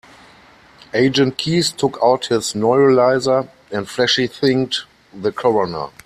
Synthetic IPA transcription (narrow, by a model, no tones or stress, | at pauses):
ʔeɪd͡ʒə̃nt̚kʰiːstʰʊkʰaʊthɪznɔɪɹəlaɪzə˞ | ɛ̃ntflɛʃliθɪ̃ŋk̚t | ðəkʰɔɹɔnə̰˞